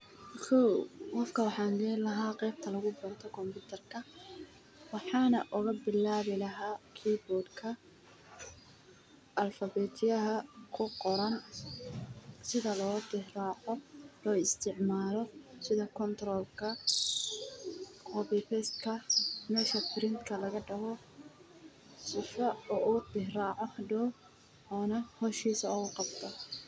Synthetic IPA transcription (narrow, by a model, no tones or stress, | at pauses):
kʰɔwqɔfkʰɐwɑħɑːŋɡɛlɐɦaːqɛjb̚t̪ʰɐlɐɣʊbɔrt̪ʰɔkʰɔmpuːt̪ʰɐrkʰɐ | wɑħɑːnɐʔʊɣɐbɪlaːβɪlɐɦaːkʰiːbɔd̪kʰɐ | ɐlfɐbɛːt̪ʰɪjɐɦɐkʰʊqɔɾɐn | sɪðɐlɔːd̪ɪhraːħɔlɔːɪst̪ʰɪʕmaːlɔsɪðɐkɔnt̪ɾɔːlkɐ | kʰʼɔːbipɛst̪kɐmɛːʃɐpɪɾɪnt̪kʰɐlɐɣɐɖɐhɔ | sɪfɐɔːʔuːd̪ɪhraːʕɔdɔː | ʔɔːnɐhɔʃiːsɐuːqɑbt̪ʰɔ